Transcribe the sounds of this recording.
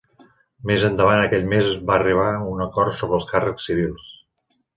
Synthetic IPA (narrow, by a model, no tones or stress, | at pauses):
mezənd̪əβ̞anəkɛʎmezbaəriβ̞aunəkɔrt̪soβɾəlˠskarəksːiβilˠs